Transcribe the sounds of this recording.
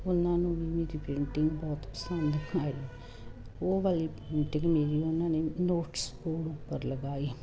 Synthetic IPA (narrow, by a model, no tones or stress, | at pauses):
ʊnãːnũːbiːmeːɾiːpɾɪɳʈɪŋɡbɔːt̪pə̥sənd̪kʰaːi | oːʋaliːpɾɪɳʈɪ̃ŋɡmeːɾiːʊnãːneːnoːʈspoːɽõpəɾləɡaːi